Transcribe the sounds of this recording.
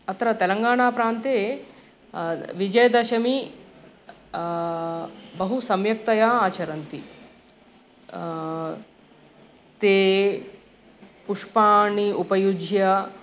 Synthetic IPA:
ɐt̪ɾɐt̪elɐŋɡaːɳ̃aːpɾaːnt̪eː | ʋid͡ʒɐjɐd̪ɐʃɐmi | bɐɦusɐmjɐk̚t̪ɐjaːaːt͡ʃɐɾɐnt̪i | t̪eː | puʂpaːɳiupɐjud͡ʒʱjɐ

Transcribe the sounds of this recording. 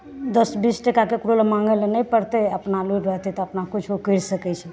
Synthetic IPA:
d̪əsbisʈəkakekɾolmãŋɡelenəjpəɽt̪eəpnaluɾəɦt̪ɛt̪ɔəpnakut͡ʃʰokəɾsəkɛt͡ʃʰɛ

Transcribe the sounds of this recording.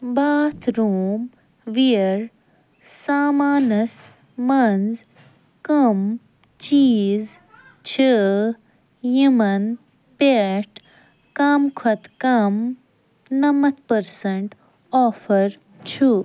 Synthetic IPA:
baːt̪ʰɾuːm | ʋiɾ | saːmaːnɐs | mɐnz | kɐm | t͡ʃiːz | t͡ʃʰə | jimɐn | peʈʰ | kamkʰɐt̪kɐm | nɐmɐt̪pɐɾsɐɳʈ | ɔːfɐɾ | t͡ʃʰu

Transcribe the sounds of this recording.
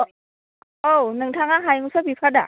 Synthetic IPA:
ʔownɯŋt̪ʰaŋaɦajŋusapʰipʰada̰

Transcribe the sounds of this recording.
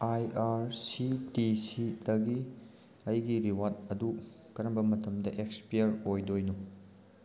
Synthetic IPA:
ajaɾsitisidɐɡi | ɐjɡiɾiwat̚ɐdu | kɐɾɐmbɐmɐtɐmdɐʔekspijɐɾojdojnu

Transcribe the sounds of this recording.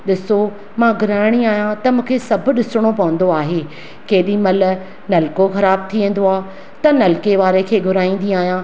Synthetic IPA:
ɗɪso | mãɡʱʊɾaːɪɽ̃iaːɦijãt̪ɐmũːkʰeːsɐbʱʊ̆ɗɪsɪɽ̃opɐʋə̃nd̪oaːɦeː | keːɗĩmɐl | nɐlkoxɐɾaːb̚t̪ʰiʋẽːn̆d̪oaː | t̪ɐnɐlkeʋaːɾekʰeːɡʱʊɾaːĩːnd̪iaːɦijã

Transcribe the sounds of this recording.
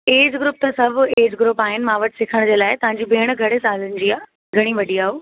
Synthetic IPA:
eːd͡ʑɡɾʊːp̚t̪ɐsɐbʱeːd͡ʑɡɾʊpaːɦɪnɪ̆mãːʋɐʈɪ̥sɪkʰəɽ̃d͡ʑeːlaːɪt̪ɐʋ̤ãːɲd͡ʑibeːɽ̃̆ɡʱɐɽesaːlənɪ̆d͡ʑiaː | ɡʱɐɽ̃iʋɐɗiaːɦoː

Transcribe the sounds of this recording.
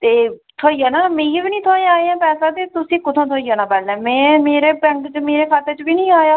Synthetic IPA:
t̪eːt̪ʰoːiːaːnaːmẽːbiːnĩːt̪ʰoːj̃aːeãːpɛːsãːt̪eːt̪ʊsĩːkʊt̪ʰõːt̪ʰoːiːaːnãːpɛːlɛ̃ːmɛ̃ːmeːɾeːbɛ̃ŋkt͡ʃmeːɾeːkʰaːt̪əɾt͡ʃbiːnĩːaːjaː

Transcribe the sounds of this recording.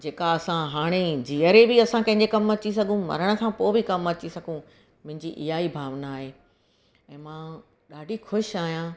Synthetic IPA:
d͡ʑeːkaɐsãɦaːɽ̃ed͡ʑiəɾebɪɐsãkɐ̃ɦɪ̃ɲd͡ʑekɐmɐt͡ɕis̬ɐɡʱũmɐ̰ɾəɽ̃ə̆sʰãpoːbɪkɐmɐt͡ɕisɐɡʱũ | mʊ̃ɦɪ̃ɲd͡ʑiʔɪ̰ɦaibʱaːʋnaːɦeː | ɛ̃ːmãː | ɗaːɖʱixʊʃaːɦijã

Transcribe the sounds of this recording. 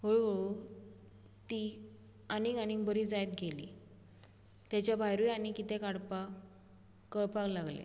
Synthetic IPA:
ɦoɭoɭu | t̪i | aniɡanibəɾiːd͡zajt̪̚ɡʱelḭ | t̪jat͡ɕjabʱajɾujanikit̪ẽkaɽpa | kəɭpaklaɡlḛ

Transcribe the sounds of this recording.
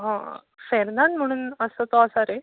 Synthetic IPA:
ɦã̰ | feɾnaɳɖm̤əɽ̃uːnəsət̪ɔəsaɾe

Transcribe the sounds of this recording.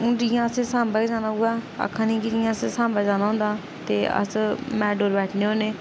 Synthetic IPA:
ʊ̃ːd͡ʒijãːəsesãːmbaːid͡ʒaːnaːʊːɡaːə̰kʰːãːnĩːkɪd͡ʒijãːəssãːmbaːd͡ʒaːnaːɦʊ̃nd̪aː | t̪eːə̰smɛːɖoːɾbɛːʈʰneːɦoːneː

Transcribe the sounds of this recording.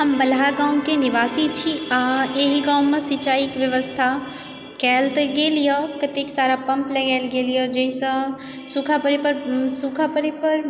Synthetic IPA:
ɦəmbəlaɡãːw̃kenɪʋaːsit͡ʃʰiaeɦiɡaːw̃mesit͡ʃaːikʋjəʋəst̪ʰa | kɛːlt̪ɡeːlijəkɐt̪eksaːɾapə̃mpləɡɛːlɡeːlijəd͡ʒəisə̃ | sukʰapəɾepəɾsukʰapəɾepəɾ

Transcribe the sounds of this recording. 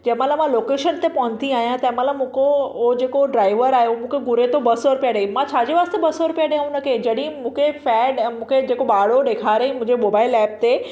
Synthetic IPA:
d͡ʑɐ̃ɦɪ̃mãlamãloːkeːʃənt̪epɐʋə̃nt̪ʰiaːɦijãt̪ɐ̃ɦɪ̃mãlamũːkood͡ʑeːkoɖɾaːɪʋəɾaːɦemũːkʰeɡʊɾet̪obɐsɔɾʊpijaɗəimãt͡ɕʰaːd͡ʑeʋaːst̪ebɐsɔɾʊpijaɗɐjãʊnɐkʰed͡ʑɐɗĩĩmũːkʰefɛːɖmũːkʰed͡ʑeːkoɓaːɽ̤oɗeːkʰaːɾəimʊ̃ɪ̃ɲd͡ʑemoːbaːɪlɛːp̚t̪e

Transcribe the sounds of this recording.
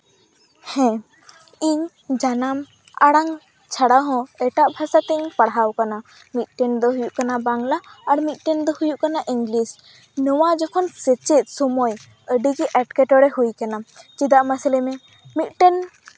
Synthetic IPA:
hɛ̃ | iɲ | d͡ʒanam | aɽaŋ | t͡ʃʰaɽaɦɔ̃ɛʈaʔbʱasat̪ɛɲpaɽɦawkana | mit̪̚ˀʈɛnd̪ɔɦujuʔkanabaŋlaːɽmit̪̚ʈɛnd̪ɔhujuʔkanaʔiŋɡlis | nɔwad͡ʒɔkʰɔnset͡ʃɛt̪̚ˀsɔmɔj | əɖiɡɛʔɛʈkɛʈɔɽɛɦujkanat͡ʃid̪aʔmasɛlɛmɛ̃ | mit̪̚ˀʈɛn

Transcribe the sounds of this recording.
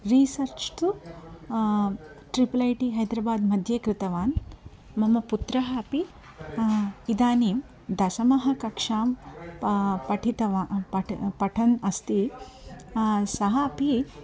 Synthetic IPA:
ɾiːsɐɾt͡ʃt̪u | ʈɾipɐlɐjʈiɦɐjd̪ɾɐbaːd̪mɐd̪ʱjeːkɾɪt̪ɐʋaːn | mɐmɐput̪ɾɐɦɐɐpi | id̪aːniːm | d̪ɐsɐmɐɦɐkɐkʂaːm | pɐʈʰit̪ɐʋaːɐpɐʈʰɐnɐst̪i | sɐɦɐɐpi

